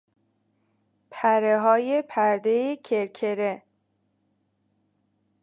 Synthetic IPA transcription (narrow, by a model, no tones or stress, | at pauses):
pʰæɾeɦɒːjepʰæɾd̪e̞jecʰeɾkʰe̞ɾe